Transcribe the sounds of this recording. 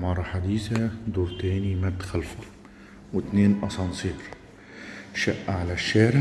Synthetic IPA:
mɑːɾˤɑħad̪iːθad̪uːɾt̪æːnimæd̪xalfɑ | wɪt̪neːnʔɑsˤɑnsiːɾ | ʃaʔːʕalaʃːaːɾɪ

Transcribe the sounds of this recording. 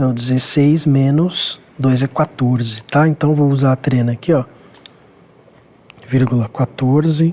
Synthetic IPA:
ɛwd͡ʒɪzesejzmẽnʊs | d̪ojzɛkwat̪oɾzɪt̪aẽnt̪ɐ̃w̃vowuzat̪ɾẽnɐkiɔ | viɾɡulɐkwat̪oɾzɪ

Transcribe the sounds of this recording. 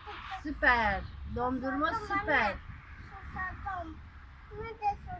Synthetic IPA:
supɛɾd̪ɔmd̪uɾmɔsupɛɾ

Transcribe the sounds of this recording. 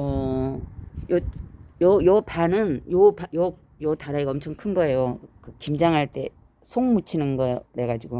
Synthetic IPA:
ʌ | jʌjʌjʌpanɯnjopajʌ | jʌtaɾaiɡʌmt͡ɕʰʌŋkʰɯnɡʌe̞jokɯkimd͡ʑaŋɦaɭt͈e̞ | sʰoŋmut͡ɕʰinɯnɡʌɾe̞ɡad͡ʑiɡo

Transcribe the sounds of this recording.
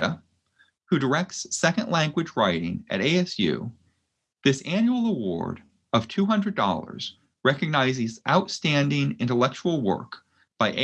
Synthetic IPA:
ə | hʉdə˞ɛk̚tsːɛkɨ̃nʔlæ̃ŋɡwɨd͡ʒɹaɪɾɪ̰̃ŋʔɨ̰ɾeɪɛsjʉ̰ | ðɪsæ̃njul̩ˠəwɔ̰ɹɾ | ʌv̥tʰʉɦʌ̃ndɹɨdɔ̰lˠə̰˞z̥ | ɹɛkɨɡ̚naɪzɨzaʊtstæ̃ndɪ̃ŋɪ̃ntəlɛk̚t͡ʃul̩ˠwɜ̰˞k | b̥aɪʔe

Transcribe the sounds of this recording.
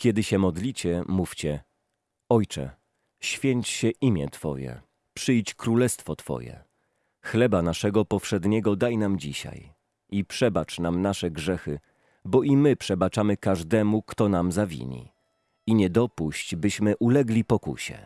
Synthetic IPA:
kʲjɛd̪ɘɕɛmɔd̪lʲit͡ɕɛmuft͡ɕɛ | ɔjt͡ʂɛ̰ | ɕfʲjeɲt͡ɕɕɛʔimʲjɛ̰t̪fɔ̰jɛ̰ | pʂɘjt͡ɕkɾulɛst̪fɔt̪fɔ̰jɛ̰ | xlɛbanaʂɛɡɔpɔfʂɛd̪ɲɛɡɔd̪ajnamd͡ʑiɕa̰j | ipʂɛbat͡ʂnamnaʂɛɡʐɛxɘ | bɔʔimɘpʂɛbat͡ʂamɘkaʐd̪ɛmukt̪ɔnamzavʲḭɲḭ | iɲɛd̪ɔpuɕt͡ɕbɘɕmɘʔulɛɡlʲipɔkṵɕɛ̰

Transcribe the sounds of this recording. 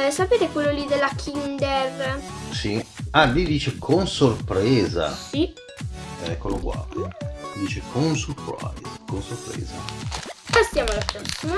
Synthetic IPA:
sapeːt̪ekwelːolid̪elːakʰind̪ersialid̪iːt͡ʃekʰonsorpɾɛːza̰i | ɛkːoloɡwa̰ | id̪iːt͡ʃekʰonsorpɾa̰jzkonsorpɾɛ̰ːzabast̪jaːmoalapɾɔsːima

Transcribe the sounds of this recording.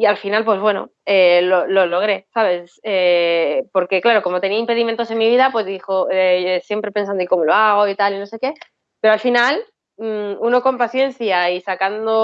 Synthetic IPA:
ialfinalpwe̞zβwe̞no̞̰elo̞lo̞lo̞ɣ̞ɾe̞saβ̞e̞sepo̞ɾke̞klaɾo̞ko̞mo̞t̪e̞niaimpe̞ðiment̪o̞se̞nmiβ̞iðapwe̞zðixo̞eesje̞mpɾe̞pensand̪oko̞mo̞loaɣ̞o̞it̪alino̞se̞ke̞ | peɾoalfinal | uno̞ko̞mpaθje̞n̟θjaisakand̪o

